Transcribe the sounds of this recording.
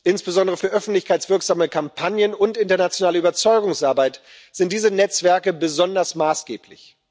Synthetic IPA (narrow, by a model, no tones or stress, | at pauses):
ʔɪnsb̥əzɔndəʁəfyːɐʔœfn̩tlɪçkʰaɪt͡sv̥ɪɐkz̥aːməkʰampʰanjənʊntʔɪntɐnat͡sjonaːləyːbɐt͡sɔʏɡʊŋsʔaɐbaɪt | z̥ɪnt̚d̥iːzənɛt͡sv̥ɛɐkəbəzɔndɐsmaːsɡ̥eːpʰlɪ̰ç